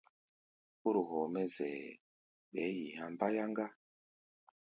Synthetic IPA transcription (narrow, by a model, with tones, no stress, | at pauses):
u˦ɾu˨ɦɔ˨mɛ˦zɛ˨ | ɓɛ˨˦ji˨ha˨mba˦ja˦ŋɡa˦